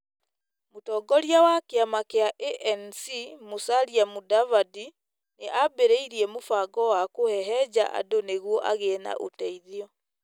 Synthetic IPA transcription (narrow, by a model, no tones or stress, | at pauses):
motɔːɡɔɾiawakeamakeaʔeʔɛnsimosaɾiamudavadi | neʔabeɾeiɾiɛmofaɡɔwakohɛɦɛd͡ʑa̰ʔa̰doneɣwɔʔaɣena̰ʔo̰tɛiðiɔ